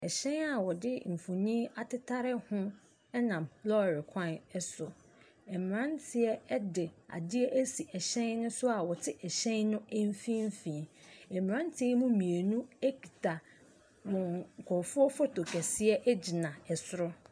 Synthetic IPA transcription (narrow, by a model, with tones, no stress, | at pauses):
ɛ˨ɕɛ̃˦na˨wɔ˨dɪ˦m̩˨fo˨nĩ˦a˨tɪ˦tʰa˦ɾɪ˦hʊ̃˦ | ɛ˦nã˨mlɔ˦˨ɾɪ˨kʰã˦nɛ˦sʊ˨ | ɛ˨m˨ɾã˦ntʰɪ˦ɛ˦ɛ˦dɪ˨a̰˨dɪ˦ɛ˦ʔæ˦si˨ʔɛ˨ɕɛ̃˦nnʊ̃˦sʊ˦a˨wɔ˨tʰɪ˦ʔɛ˨ɕɛ̃˦nnʊ̃˦ɛ˦m˦fĩ˦m̩˦fĩː˨ɛ˨m˨ɾã˦ntʰɪ˦ɛ˦mũ˦mĩ˨e˨nũ˦e˦ki˨tʰa˨ | wɔ̃˨ŋ˨kʰɔ˨fʊ˦ɔ˦fɔ˦tʰo˨kʰɛ˨sɪ˦ɛ˦ʔɛ˦d͡ʑi˨nã˨ɛ˨sʊ˦ɾʊ˦